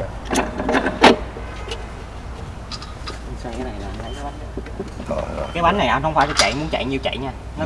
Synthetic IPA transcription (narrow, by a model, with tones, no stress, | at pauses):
saː˧kaː˨˦jna˨˩jlaː˨ʔa˧nla˧˦jkaː˨˦jɓa˨˦nɗɨ˨˧˦kaː˨˦jɓa˨˦nːa˨˩jʔa˧nhə˧wŋ͡mfaː˧˦jt͡ɕɔ˧˩t͡ɕa̰˧˨jmu˨˦nt͡ɕa̰˧˨jɲi˨əwt͡ɕa̰˧˨jɲaː˧ | nɔ˨˦